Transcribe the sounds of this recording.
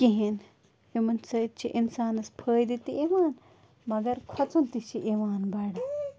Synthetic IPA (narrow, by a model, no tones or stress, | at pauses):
kiɦin | himɐnsɐit̪t͡ʃʰiʔinsaːnɐspʰəːjd̪it̪iʔiʋaːn | mɐɡɐɾkʰɐt͡sunt̪iʃiʔiʋaːnbaɽa